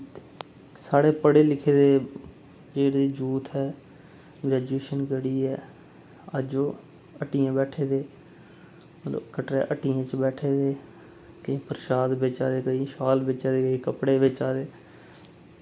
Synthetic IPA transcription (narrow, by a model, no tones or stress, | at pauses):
saːɽeːpəɽeːlɪkʰeːd̪eː | d͡ʒeːɽd̪iːd͡ʒuːt̪ɦɛː | ɡɾɛːd͡ʒeːʃənɡəɽiːɛː | əd͡ʒoː | əʈijãːbɛːʈʰeːd̪eː | məlo̰kəʈɾeːʔəʈijãːt͡ʃbɛːʈʰeːd̪eː | kɪ̃ːpəɾɪʃaːd̪beːt͡ʃaːd̪eːkəiːʃaːlbeːt͡ʃaːd̪eːkəiːkəpɽeːbɪːt͡ʃaːd̪eː